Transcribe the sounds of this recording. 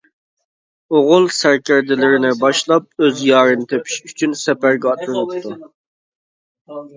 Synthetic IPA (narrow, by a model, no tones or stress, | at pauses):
oʁʊlˠsæɾkʲæɾd̪ɪlɪɾɪnɪbɑʃlˠɑp̚øzjɑːɾɨnɨt̪ʰepʰi̥ʃyt͡ʃʰynsɛpæɾɡʲɛɑt̪lˠɨnɨpt̪ʰu